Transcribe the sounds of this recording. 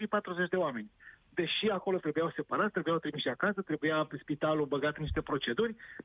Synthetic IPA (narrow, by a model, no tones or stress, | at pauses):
ipat̪ɾuzet͡ʃʲd̪e̞oame̞nʲd̪e̞ʃiako̞lo̞t̪ɾe̞bujawse̞paɾat̪t̪ɾe̞bujawt̪ɾimiʃiakasət̪ɾe̞bujaspit̪alubəɡat̪niʃt̪e̞pɾo̞t͡ʃe̞d̪urʲ